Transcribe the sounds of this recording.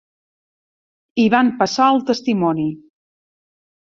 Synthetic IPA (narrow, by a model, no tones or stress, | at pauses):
iβampəsaəlˠt̪əst̪imɔni